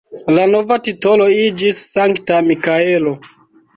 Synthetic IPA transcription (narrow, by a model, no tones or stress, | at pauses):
lano̞vatito̞lo̞id͡ʒisːaŋktamikae̞lo̞